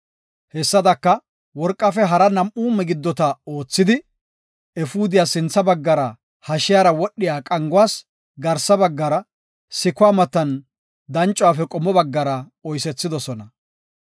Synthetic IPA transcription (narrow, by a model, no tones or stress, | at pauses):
hɛsːɐd̪ɐkːɐ | wɔɾkʼːɐfɛɦɐɾɐnɐmʔuːmɛɡɪd̪ːɔt̪ɐo̞ːt͡sːɪd̪ɪ | ɛfuːd̪ɪjaːsɪnt͡sːɐbɐɡːɐɾɐ | hɐʃɪjaːɾɐwɔɗːɪjaːkʼɐŋɡʊwaːs | ɡɐɾsɐbɐɡːɐɾɐ | sɪkʊwaːmɐt̪ːɐn | d̪ɐnt͡ʃʼwaːfɛkʼɔmːɔbɐɡːɐɾɐ | ɔjsɛt͡sːɪd̪ɔsɔnɐ